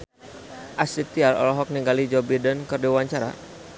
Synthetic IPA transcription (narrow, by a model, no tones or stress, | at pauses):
ʔasit̪iaɾɔ̰lɔɦɔk̚niŋɡalid͡ʒɔbidənkərdiwaɲt͡ʃaɾa̰